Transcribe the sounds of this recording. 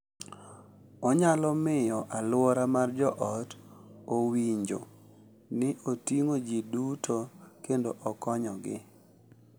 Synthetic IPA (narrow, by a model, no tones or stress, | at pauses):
ɔɲalɔmɪjɔʔalʊwɔɾamard͡ʒɔʔɔtowiɲd͡ʒo | nɪʔotiŋod͡ʒidutʰokendoʔɔkɔɲɔɡɪ̰